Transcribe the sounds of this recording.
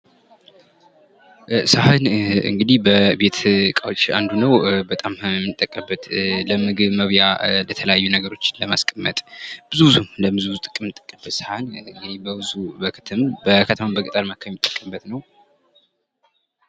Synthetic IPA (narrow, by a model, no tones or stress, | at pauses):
sahɨnɨ̰ŋɡɨd̪ihbəbe̞t̪kʼawt͡ʃʼa̰nd̪unəwbət̪ʼammɨt̪ʼːəkʼːəbːət̪ləmɨɡɨβməβjalət̪ʰələjajːunəɡəɾo̞t͡ʃːɪnləmaskʼəmːə̰t̪ʼb̥ɨzuwzumləmɨzuwzut̪ʼɨkʼɨmɨnt̪ʼːə̥kʼːəbət̪sahɨnɨŋɡɨd̪ibəbɨzubəkʰɨ̥t̪ʰɨmbəkʰət̪ʰəmambəkʼɨt̪ʼaɾmakʰːamːit̪ʼːə̥kʼːəmbət̪nəw